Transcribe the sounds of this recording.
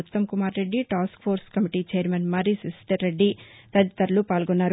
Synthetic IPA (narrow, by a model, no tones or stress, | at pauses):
ut̪ːɐmkumaːɾɾeɖːiʈaːskpʰoːɾskɐmiʈiːt͡ʃɛːɐɾmɐnmɐɾisisʈ̪ɐɾːeɖːi | t̪ɐd̪it̪ɐɾlupaːlɡɔnːaːɾ